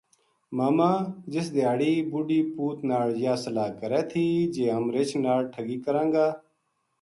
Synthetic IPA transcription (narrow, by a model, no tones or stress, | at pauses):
maːmãːd͡ʒɪs̬d̪ɪjaːɽiːbʊɖiːpuːt̪naːɭd͡ʒɪjaːsəlaːkəɾɛːt̪ʰiːd͡ʒeːɦəmɾet͡ʃʰnaːɽʈʰəɡiːkəɾãːŋɡaː